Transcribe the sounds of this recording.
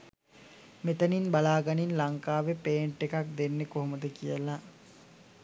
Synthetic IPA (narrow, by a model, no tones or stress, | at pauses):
met̪əninbalaːɡaninlaŋkaːʋepeːɳʈːekak̚d̪enːekoɦoməd̪əkijəla